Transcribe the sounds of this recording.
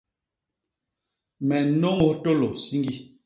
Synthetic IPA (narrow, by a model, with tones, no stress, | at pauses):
mɛ˨no˦ŋo˦to˦lo˨si˦ŋɡi˦